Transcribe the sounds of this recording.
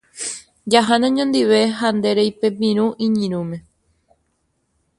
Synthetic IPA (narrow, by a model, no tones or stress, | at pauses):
d͡ʒaɦanãɲõnd̪iʋe̞ɦand̪e̞ɾejpe̞p̬ĩɾ̃ũʔĩɲĩɾũmẽ̞